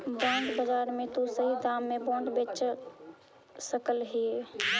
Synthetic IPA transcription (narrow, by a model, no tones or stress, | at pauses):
bãɳɖbəd͡ʒaɾmẽt̪osəɦid̪amːẽbɔ̃ɳɖbet͡ʃ | səkəlɦie